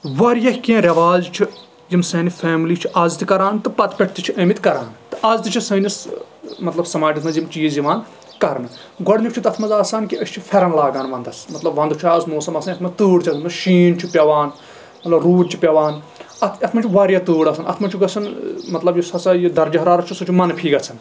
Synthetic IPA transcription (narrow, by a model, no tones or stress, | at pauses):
ʋɐɾjɐhʲkẽːɾʲɐʋaːzt͡ʃʰi | jimsɐːnifʰeːmliːt͡ʃʰiʔɐzt̪ɨkɐɾaːnt̪ɨpɐt̪pʲɐʈʰt̪it͡ʃʰiʔɐmit̪kɐɾa̰ːnt̪ɨʔɐzt̪ɨt͡ʃʰisɐːnis | mɐt̪lɐbsɐmaːd͡ʒɐt̪ʰnɐzjimt͡ʃijiziʋaːn | kɐɾnɨ | ɡɔɽnikt͡ʃʰut̪ɐt̪ʰmɐzaːsaːnkiɐʃʰʲt͡ʃʰifʰʲɐɾɐnlaːɡaːnʋɐnd̪ɐsmɐt̪lɐbʋɐnd̪ut͡ʃʰaːsmoːsɐmɐsɐnɐt̪ʰmɐzt̪uːɽt͡ʃʰɐt̪ʰmɐzʃiːnt͡ʃʰipʲɐʋaːn | mɐt̪lɐbɾuːʈt͡ʃʰi̥pʲɐʋaːn | ɐt̪ʰɐt̪ʰmɐnt͡ʃʰiʋaːɾjɐt̪uːɽɐsʰɐnɐ̰t̪ʰmɐnt͡ʃʰuɡɐt͡sʰɐnmɐt̪lɐbjisɐsajid̪ɐɾd͡ʒɐɦɐɾaːɾɐt͡ʃʰusɐt͡ʃʰumɐnpʰiːɡɐt͡sʰɐn